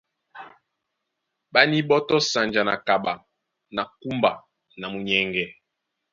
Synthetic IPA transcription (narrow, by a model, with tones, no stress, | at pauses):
ɓa˦ni˦ɓɔ˦tɔ˦sa˨nd͡ʒa˨na̰˨ka˨ɓa˨ | na˨ku˦mba˨ | na˨mu˨ɲɛ˨ŋɡɛ˨